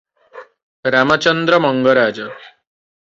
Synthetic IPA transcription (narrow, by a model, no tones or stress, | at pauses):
ɾamət͡ɕənd̪ɾəməŋɡəɾaːd͡ʑə